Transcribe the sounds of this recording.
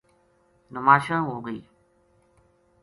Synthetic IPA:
nʊmaːʃə̃ɦoːɡəiː

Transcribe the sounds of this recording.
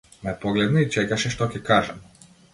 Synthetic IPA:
mapoɡlɛd̪nɔit͡ʃɛkaʃɛʃt̪okʲɛkaʒɛm

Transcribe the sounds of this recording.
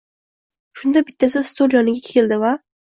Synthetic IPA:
ʃʊnd̪abɪt̪ʰːasɪst̪ʰolˠjɒnɪɡʲakʲʰeld̪ɪva

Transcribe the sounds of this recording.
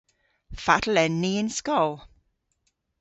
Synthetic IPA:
fatlɛnːiɪnskɔlˠ

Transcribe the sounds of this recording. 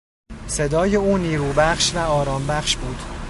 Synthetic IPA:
se̞d̪ɒːjeuːniːɾuːbæχʃvæɒːɾɒːmbæχʃbuːd̪̥

